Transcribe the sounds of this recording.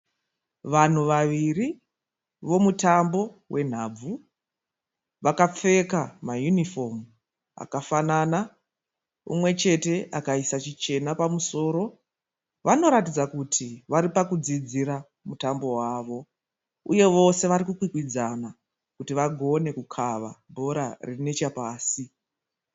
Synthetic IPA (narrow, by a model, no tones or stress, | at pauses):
ʋan̤uʋaʋiri | ʋo̞mutambo̞ | wʔe̞n̤aːb͡vu | ʋakap͡fe̞kamajunifo̞mu | a̰kafanana | ṵmwe̞t͡ʃe̞te̞akaisat͡ʃit͡ʃe̞napamuso̞ːɾo̞ | ʋano̞ɾatid͡zakutʰiʋaɾipakud͡zid͡ziɾa | mutambo̞waːʋo̞ | uje̞ʋo̞se̞ʋaɾikukwikwid͡zana | kutiʋaɡʱo̞ne̞kukʰaʋa̰bʱo̞ɾarine̞t͡ʃapaːsi